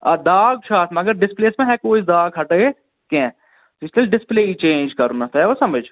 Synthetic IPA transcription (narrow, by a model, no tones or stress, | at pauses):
ɐd̪aːɡ̚t͡ʃʰaːt̪mɐɡəɾɖɪspleːsmẽɦɛkoːid̪aːɡɦɐʈəe | kẽ | ɪslelɖɪspleːit͡ʃẽːnd͡ʒkɐɾunɐt̪ɐɛʋosɐməd͡ʒ